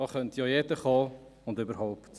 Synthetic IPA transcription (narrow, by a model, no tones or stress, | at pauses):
ɑːχœntjɑːjɛdəχɑːʊndybəɾɦaʊpt